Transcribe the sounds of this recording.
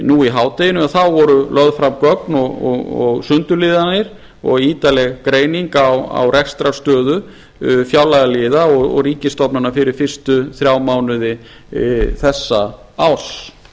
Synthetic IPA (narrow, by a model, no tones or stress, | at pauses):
nuiɦaːwt̪ejɪnʏaθawvɔɾʏlœðfɾamkœknɔɣɔɔɣsʏnt̪ʏlɪːðanɪɾ̥ | ɔ̰ɣiːt̪alɛɣkɾeːjniŋkawa̰wrʔɛxst̪ɾast̪œːðʏ | fjaːwlajðalɪːðaɔɣɔ̰ɣriːcɪst̪ɔpnanːafɪɾɪɾ̥fɪr̥st̪ʏθɾjaːwmaːwnʏðɪ | θɛsːa | aws